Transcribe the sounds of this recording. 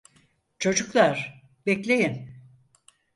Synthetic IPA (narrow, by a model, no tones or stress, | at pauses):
t͡ʃʰo̞d͡ʒuklˠaɾ̥ | bɛklʲejin